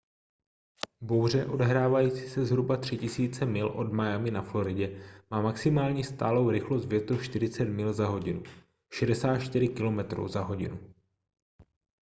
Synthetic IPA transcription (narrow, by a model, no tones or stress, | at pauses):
bo̞wr̝ɛʔo̞dɛɦɾaːvajiːt͡siːsɛzɦɾubat̪r̝̥ɪcɪsiːt͡sɛmɪlʔo̞dmajamɪnaflo̞ɾɪɟɛmaːmaksɪmaːlɲist̪aːlo̞wɾɪxlost̪vjɛt̪uʃt̪ɪɾɪt͡sɛt̪mɪlzaɦo̞ɟɪnu | ʃɛdɛsaːt̪t͡ʃt̪ɪɾɪkɪlo̞mɛt̪ɾo̰wzaɦo̞ɟɪ̰nu